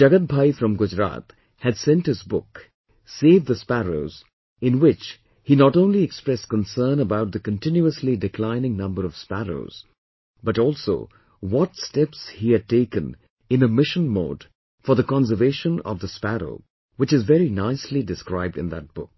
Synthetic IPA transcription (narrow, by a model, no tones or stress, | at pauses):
d͡ʒ̥ʌɡət̪̚bʱaɪfɹʌ̃mɡʊd͡ʒɹa̰t̪ | hɨdsɛ̃nthɨzbʊk | seɪvðəspæɹoʊz̥ | ɪ̃nwɪt͡ʃ | hinɔɾõʊ̃nliɛkspɹɛskə̃nsɜ̃˞nəbaʊt̪̚ðɨkɨ̃ntɪ̃njuəslidɨkʰl̥ãɪ̃nɪ̃ŋnʌ̃mbəɾʌv̥spæɹo̰ʊz̥ | bʌɾɔlˠso̰ʊ | wɔtstɛpshihɨd̚teɪkɨ̃n | ɨ̃nəmɪʃə̃nmo̰ːd̥ | fə˞ðəkɑ̃nsə˞veɪʃə̃nʌ̰vðəspæɹo̰ʊ | wɨt͡ʃɨzvɛɹinaɪslidɨskɹaɪb̚dɨ̃nðə̰t̚b̥ʊk̚